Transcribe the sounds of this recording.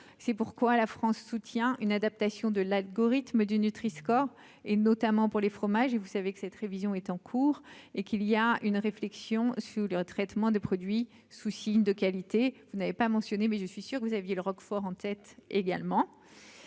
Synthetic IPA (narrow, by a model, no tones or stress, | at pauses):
sɛpuʁkwalafχɑ̃sːut̪jɛ̃ynad̪ap̚t̪asjɔ̃d̪əlalɡɔʁit̪məd̪ynyt̪χiskɔʁ | enɔt̪amɑ̃puʁlefχɔmaʒevusavekə̥sɛt̪ʁevizjɔ̃ɛt̪ɑ̃kʰuːʁekilijaynʁeflɛksjɔ̃syʁlət̪χɛt̪mɑ̃d̪epχɔd̪ɥi | susiɲd̪əkalit̪evunavepamɑ̃sjɔnemɛʒəsɥisyʁkəvuzavjeləʁɔkfɔʁɑ̃t̪ɛt̪eɡa̰lmɑ̃